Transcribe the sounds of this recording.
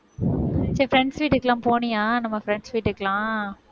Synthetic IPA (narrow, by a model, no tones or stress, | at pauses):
t͡ʃːɛfɾɛɳɖsʋiːʈːɪɾkːɐlãːmpoːnɪjaːnɐmːɐfɾɛɳɖsʋiːʈːɯɾɯkːɐlãː